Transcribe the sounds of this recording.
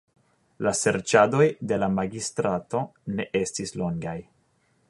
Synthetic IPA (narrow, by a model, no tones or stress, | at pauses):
lase̞ɾt͡ʃado̞jde̞lamaɡistɾato̞ne̞ʔe̞stislo̞ŋɡaj